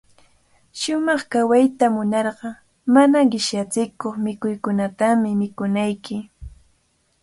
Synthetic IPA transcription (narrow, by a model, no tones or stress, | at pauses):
ʃʊmɑχkawajt̪amʊnɑɾɢɑ | manaɢɪʃjat͡sɪkoχmɪkʊjkʊnat̪amɪmɪkʊnajkɪ